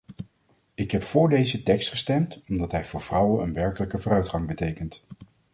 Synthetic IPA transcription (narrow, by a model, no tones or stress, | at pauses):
ɪkɦɛpfʊːɹdejzətɛkstχə̥stɛmtɔmdɑtɦɛjvʊːɹv̥rʌwənənʋɛɹkələkəvʊːrœɥtχɑŋbətejkənt